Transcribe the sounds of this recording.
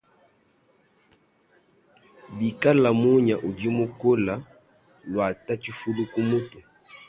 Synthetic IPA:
bi˨ka˦la˨mu˦ɲa˨ʔu˨do˦mo˦ko˦la˦ | lwa˨ta˦t͡ʃi˦fu˦lu˦ku˦mu˦tu˨

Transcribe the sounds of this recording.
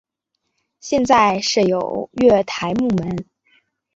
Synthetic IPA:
ɕjɛ˥˧nt͡sa˥˧ɪʂɻ̩˥˩jo˨˩ʊɥɛ˥˩t̪ʰa˧˥ɪmu˥˩mə˧˥n

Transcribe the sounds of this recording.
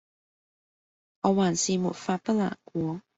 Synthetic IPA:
ŋɔː˨˧waː˨˩nsiː˨mṵ˨t̚faː˧t̚pɐ˥la̰ː˨˩nkʷɔː˨˦

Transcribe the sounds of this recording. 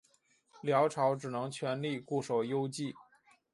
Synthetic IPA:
ljɑ˧˥ʊʈ͡ʂʰɑ˧˥ʊʈ͡ʂɻ̩˨˩nɤ˧˥ŋt͡ɕʰɥɛ˧˥nli˥˧ku˥˩ʂo˨˩ʊjo˥ʊt͡ɕi˥˩

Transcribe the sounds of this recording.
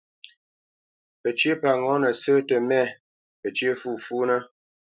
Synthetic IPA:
pə˨t͡ʃe˦pa˨ŋɔ˨˦nə˨səː˦tə˨mɛ˦˨ | pə˨t͡ʃje˦fu˦˨fu˦nə˦

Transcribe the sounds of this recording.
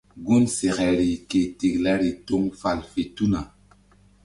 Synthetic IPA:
ɡu˦nse˨ɣɛ˨ɾi˨ke˨ti˨kla˦ɾi˨to˦ŋfa˨lfe˨tu˦na˨

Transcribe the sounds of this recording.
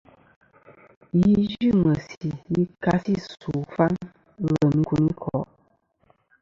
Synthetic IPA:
ji˦d͡ʒi˦˨mə˨si˨ji˦ka˦si˦˨su˨fa˦n | ɣə˨m˦ku˨ni˦kʰɔ˨˦ʔ

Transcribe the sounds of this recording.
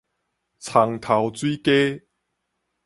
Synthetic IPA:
t͡sʰa˨ŋt̪ʰa˨wt͡swiː˦ke˦

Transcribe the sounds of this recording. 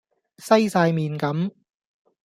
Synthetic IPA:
sɐ˥jsaː˧jmiː˨nkɐ˨˥m

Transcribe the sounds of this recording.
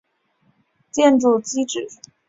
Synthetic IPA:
t͡ɕjɛ˥˧nʈ͡ʂu˥˩t͡ɕi˥ʈ͡ʂɻ̩˨˩

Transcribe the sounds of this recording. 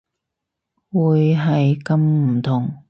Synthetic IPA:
wuː˨˧jɦɐ˨jkɐ˨˧mm̩˨˩t̪ʰʊ˨˩ŋ

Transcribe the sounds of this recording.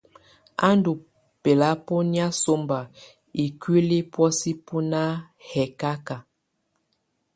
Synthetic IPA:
a˦ndu˨ | pe˨la˦po˦ni˦a˦so˦mba˨ | i˨kɥwi˦li˦pwɔ˦si˦pu˦na˦ | hɛ˨ka˦ka˨

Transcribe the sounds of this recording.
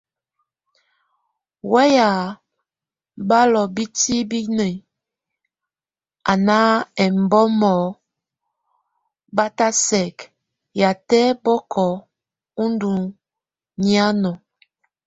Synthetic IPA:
wɛ˦ja˨ | ba˦lɔ˨bi˦ti˦bi˦ne˨ | a˨na˦ɛ˨m̩˨bɔ˦mɔ˨ | ba˦ta˦sɛ˨k | ja˨tɛ˦bɔ˦kʰɔ˨ | u˦ndu˨ | ni˦a˦nɔ˨

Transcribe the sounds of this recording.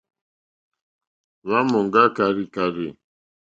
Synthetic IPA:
βa˦mɔ˨ŋɡa˦ka˨ɾi˨ka˨ɾi˨

